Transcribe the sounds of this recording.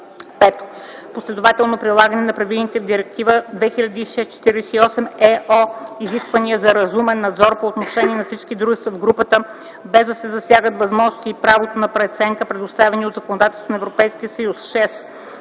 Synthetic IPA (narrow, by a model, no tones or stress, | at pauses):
pɛt̪o̥ | poslɛd̪ʊvat̪ɛlˠnopɾilˠaɡənɛnɐpɾɐvilˠnit̪ɛvd̪iɾɛk̚t̪ivəd̪vɛxilʎʲɐd̪iiʃɛst͡ʃɛ̥t̪iɾɛsɛiɔsɛmɛoiziskvɐniəzɐɾɐzumɛnːɐd̪zɔɾpoːt̪noʃɛniɛnɐfsit͡ʃkid̪ɾuʒɛst̪vɐvɡɾupət̪ə | bɛzd̪ɐsɛzɐsjaɡət̪vɐzmɔʒnosiːpɾavot̪onɐpɾɛt̪sɛŋkəpɾɛd̪ʊst̪avɛniod̪zɐkonod̪at̪ɛlˠsonɛvɾopɛjsk̟ijəsɐjusʃɛs